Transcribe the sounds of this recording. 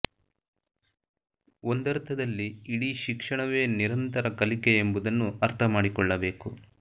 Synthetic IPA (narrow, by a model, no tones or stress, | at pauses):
ond̪ɐɾt̪ʰɐd̪ɐlːiːɽiːʃikʂɐɳɐʋe̞ːniɾɐnt̪ɐɾɐkɐlikeːmbud̪ɐnːuɐɾt̪ʰɐmaːɽikɔɭːɐbe̞ːku